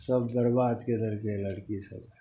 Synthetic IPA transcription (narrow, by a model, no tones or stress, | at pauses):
sɐbːɐɾbaːd̪ked̪ɐɾkelɐɽkisɐ̰b